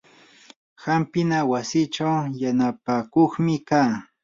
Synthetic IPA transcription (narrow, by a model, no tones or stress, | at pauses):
xampɪnawasɪt͡ʃawjanapakoχmɪkaː